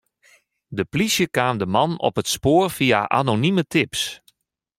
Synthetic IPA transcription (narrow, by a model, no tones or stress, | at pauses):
dəplisjəkaːmdəmɑnɔ̰pətspoːrfia̰ʔa̰nonimətʰɪps